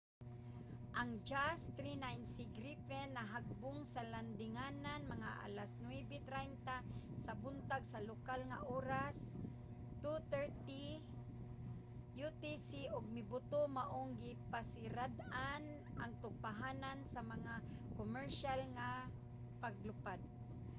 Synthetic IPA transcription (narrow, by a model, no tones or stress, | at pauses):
ʔaŋd͡ʒast̪ɾinajnsiɡɾipɛnːaɦaɡ̚bʊŋsaland̪ɪŋananmaŋaʔa̰lasnwɛbɛt̪ɾajnt̪a | sabʊnt̪aɡsalokalŋa̰ʔoːɾas | t̪ut̪ɛɹt̪i | jut̪isiʔʊɡ̚mɪbʊt̪omaʔoŋɡɪpasɪɾad̪ʔan | ʔaŋt̪ʊɡ̚paɦanansamaŋakomɛɹʃalŋa | paɡlʊpad̪̚